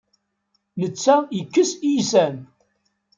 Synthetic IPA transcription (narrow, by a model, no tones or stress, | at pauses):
nət͡sːæjəkːəsijsæn